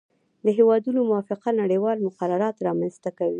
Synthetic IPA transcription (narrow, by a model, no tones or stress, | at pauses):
d̪əɦewɑd̪unomʊwɑfɪqanaɽəjwɑlmʊqaɾaɾɑt̪ɾɑmanzt̪akawi